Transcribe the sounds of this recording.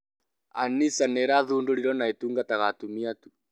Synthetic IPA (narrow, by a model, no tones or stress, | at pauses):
a̰nisanɛɾaðundoɾiɾɔnaituŋɡataɣatumiatu̥